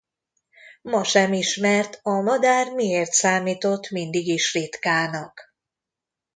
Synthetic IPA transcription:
mɒʃɛmiʃmɛrt̪ɒmɒd̪aːrmieːrt̪saːmiːt̪o̞t̪ːmind̪iɡiʃrit̪kaːnɒk

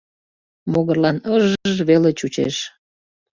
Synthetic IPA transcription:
moɣərlɑnəʒʒβelet͡ɕut͡ɕḛʃ

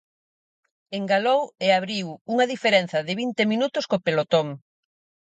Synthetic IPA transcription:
eŋɡaloweaβɾiwuŋɐðifeɾen̟θɐðɪβint̪eminut̪ʊskopelot̪oŋ

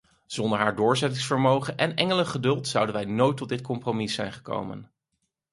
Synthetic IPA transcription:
z̥ɔndəɹɦaːɹdʊːɹzɛtɪŋsfəɹmowχənʔɛnɛŋələχədɵlˠtsʌwdənʋɛjnojtːɔt̚dɪtkɔmpromisɛjnχə̥ko̰wmə̰n

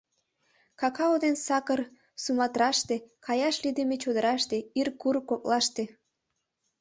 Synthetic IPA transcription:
kɑkɑod̪ensɑkər | sumɑt̪ɾɑʃt̪ekɑjɑʃlid̪emet͡ɕod̪əɾɑʃt̪eirkurkok̚lɑʃt̪e

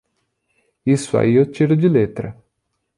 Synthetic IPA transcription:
isʊa̰iewt͡ʃiɾʊd͡ʒɪlet̪ɾɐ

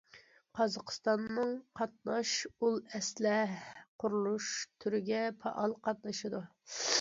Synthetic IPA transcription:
qʰɑzɑqʰə̥st̪ɑnːɨŋqʰɑt̪̚nɑʃulˠɛslɛqʰʊɾulˠuʃt̪ʰyɾɪɡʲɛpʰɑ̰ʔɑlˠqʰɑt̪nɨʃɨd̪u

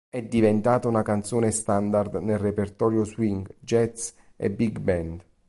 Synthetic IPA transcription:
ɛd̪ːivent̪aːt̪aunakant̪soːnest̪and̪ard̪nelrepert̪ɔːɾjoswiŋɡd͡ʒɛt̪s | ḛbiɡbɛnd̪

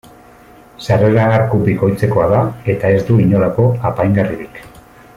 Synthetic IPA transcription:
sareɾaːɾkuβiko̞jt͡se̞ko̞aðae̞t̪ae̞zd̪uiɲo̞lako̞apajŋɡariɾik

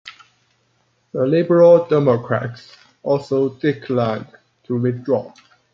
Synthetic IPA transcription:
ðəlɪbəɹəlˠdɛməkʰɹæ̰ts | ɔlsoʊdɪkʰlãɪ̃n | tʰuwɪθdɹɔ

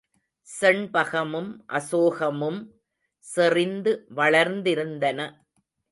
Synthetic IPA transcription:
sɛɳpɐɣɐmɯmʔɐsoːɣɐmɯm | sɪrɪnd̪ɯʋɐɭɐɾnd̪ɪɾɯnd̪ɐnɐ

